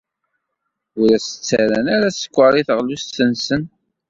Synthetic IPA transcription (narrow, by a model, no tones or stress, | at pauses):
ʊɾæsə̥t͡sːæɾænaɾæsə̥kʷːəɾˤiθəʁlust̪ːənsən